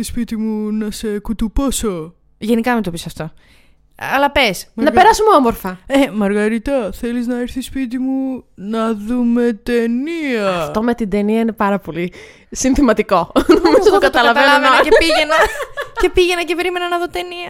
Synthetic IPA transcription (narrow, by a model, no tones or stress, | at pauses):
ispit̪imunɐsekut̪uposo | ʝe̞nikɐmit̪opisɐft̪o̞ | ɐlɐpesnɐpe̞ɾɐsumeomoɾfɐemɐɾɣɐɾit̪ɐθe̞liznɐeɾθispit̪̬imunɐðume̞t̪eniɐft̪o̞me̞t̪ind̪e̞niɐine̞pɐɾɐpo̞li | sinθimɐt̪iko̞nomiɐokɐt̪ɐlɐveɐveɐcepiʝenɐce̞piʝenɐcepe̞ɾime̞nɐnɐðo̞t̪e̞niɐ